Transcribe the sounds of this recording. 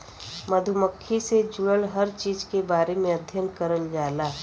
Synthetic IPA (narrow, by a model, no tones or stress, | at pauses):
məd̪ʱʊməkʰːised͡ʒʊɽəlɦɐɾt͡ʃiːd͡ʒkebaːɾemẽɐd̪ʱjənkəɾəld͡ʒaːlaː